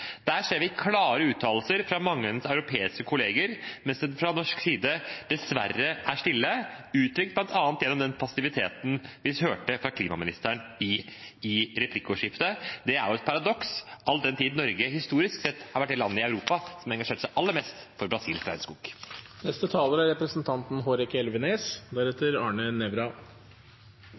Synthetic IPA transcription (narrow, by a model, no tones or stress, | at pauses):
d̪̥æːʂeːɾʋɪkʰlɑːɾəʉːt̪ʰɑːlsəɾfɾɑmɑŋːəɛnsɑʉɾʊpʰeːɪskəkʰʊleːɡəɾmɛnsɛfɾɑnɔʂksiːd̪əd̪̥ɛsʋæ̰rːəʔæʂtɪlːəʉːt̪ʰɾʏk̚t̪̚blɑnt̪ɑːnt̪jɛnːɔmd̪ɛnpʰɑsɪʋɪt̪ʰeːt̪n̩ʋɪhøːʈəfɾɑkʰliːmɑmɪnɪst̪æɳɪɪɾɛpʰlɪkːʊʂɪft̪əd̪ɛæɾjʊɛt̪pʰɑɾɑd̪ɔksʔɑld̪ɛnt̪ʰiːd̪n̩ːɔɾɡəhɪst̪uːɾɪsksɛt̪ːhɑɾʋæʈ̚ːd̪ɛlɑnːəɪɑʉɾuːpɑsɔmæɾɛŋɡɑʂeːʈsæɪʔɑlːəɾmeːst̪fɔɾbɾɑsiːlʰɾæ̰ɪnskʊːɡ̥ | nɛst̪ət̪ʰɑːləɾɑɾɛpɾəsnt̪ʰɑnt̪n̩ɦoːɾɛkɛlʋəneːsd̪æɾɛt̪ːəɾɑːɳənɛʋɾɑ